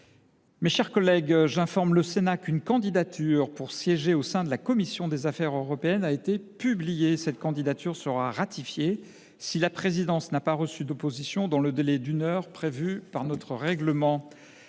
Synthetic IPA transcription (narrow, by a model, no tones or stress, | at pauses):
meʃɛʁkɔlɛɡʒɛ̃fɔʁmləsenakynkɑ̃d̪id̪at̪ʰyʁpuʁsjɛʒeosɛ̃d̪əlakɔmisjɔ̃d̪ezafɛʁøʁɔpeɛnaet̪epyblijesɛt̪̚kɑ̃d̪id̪at̪ʰyʁsəʁaʁat̪ifje | silapχezid̪ɑ̃snapaʁəsyd̪opozisjɔ̃d̪ɑ̃ləd̪elɛd̪ynœʁpχevypaʁnɔt̪χəʁɛɡləmɑ̃